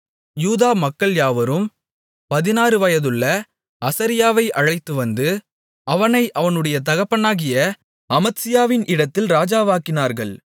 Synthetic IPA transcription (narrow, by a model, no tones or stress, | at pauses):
juːðaːmɐkːɐɭjaːʋɐɾɯm | pɐðɪnaːɾɯʋɐjɐðɯɭːɐ | ɐsɐɾɪjaːʋɐɪʔɐɻɐɪt̪ːɯʋɐnd̪ɯ | ʔɐʋɐnɐɪʔɐʋɐnɯɽɐjɐt̪̬ɐɣɐpːɐɳːaːɣɪjɐ | ɐmɐt̪sɪjaːʋɪnʔɪɽɐt̪ːɪlɾaːd͡ʒaːʋaːkːɪnaːɾɣɐɭ